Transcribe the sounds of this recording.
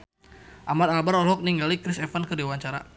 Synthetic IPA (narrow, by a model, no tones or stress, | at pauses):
ʔamat̪albaɾɔlɦɔk̚niŋɡalikɾɪsɛfankədiwaɲt͡ʃaɾa̰